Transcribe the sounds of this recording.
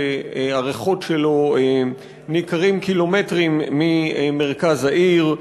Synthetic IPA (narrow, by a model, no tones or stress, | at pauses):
aʁeχo̞tʃelo̞e | nikaʁimkilo̞metʁimːiemeʁkazaʔiʁ